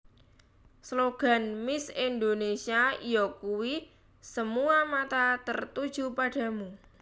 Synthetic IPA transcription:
sloɡ̥a̤nmɪsind̪onesiaijɔkuwi | səmuamat̪at̪ərt̪ud̥ʒ̥upaɖ̥ä̤mu

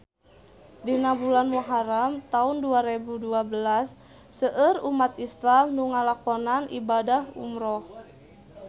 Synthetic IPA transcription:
dinabulanmuɦaɾamt̪aunduaɾebuduabəlasː | əʔərumat̪islamnuŋalakɔnanʔḭbadahṵmɾɔh

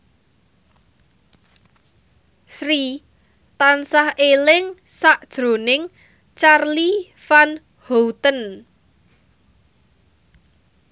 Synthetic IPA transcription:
sɾi | t̪ansahelɪŋsaʔd̥ʒ̥ɾo̤nɪŋ | t͡ʃarli | fan | howt̪ən

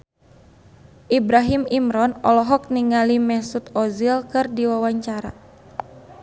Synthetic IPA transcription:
ʔibɾaɦimimɾɔnɔlɔɦɔk̚niŋalimɛsut̪ɔzilkɨrdiwawaɲt͡ʃaɾa̰

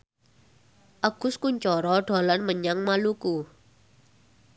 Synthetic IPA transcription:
ʔaɡ̥ʊ̤skuɲt͡ʃɔɾɔɖ̥a̤lanməɲaŋmaluku

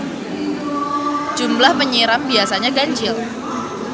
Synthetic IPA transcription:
d͡ʒumlahməɲiɾambiasaɲaɡaɲt͡ʃɪl

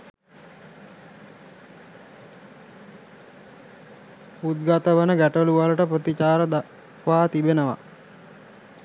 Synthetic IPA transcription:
ut̪̚ɡat̪əʋənəɡæʈluʋaləʈəprət̪it͡ʃaːɾəd̪a | kʋaːt̪ibenəʋa̰

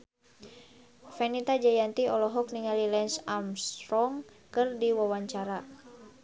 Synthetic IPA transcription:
fɛnit̪ad͡ʒajant̪iɔlɔɦɔk̚niŋalilɛnsamst̪ɾɔŋ | kɨrdiwawaɲt͡ʃaɾa

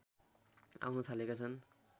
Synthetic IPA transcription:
a̰wnʌt̪ʰalekat͡sʰʌn

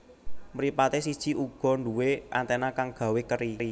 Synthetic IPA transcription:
məɾipat̪esid̥ʒ̥i̤ʔuɡ̥ɔ̤nduweʔa̰nt̪ɛnakaŋɡ̥a̤wekəɾii

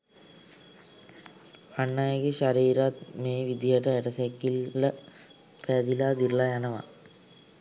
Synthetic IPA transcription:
anːajəɡeɕaɾiːɾat̪̚meːʋid̪ijəʈəeʈəsekːilːə | pæd̪ilaːd̪ilːajanɐʋa̰

